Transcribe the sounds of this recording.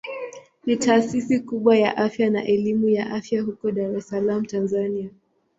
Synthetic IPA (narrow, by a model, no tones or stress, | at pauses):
nitaːsisikuɓwaja̰ʔafjanaʔɛlimujaʔafjahukɔɗaɾɛsalam̩tanzania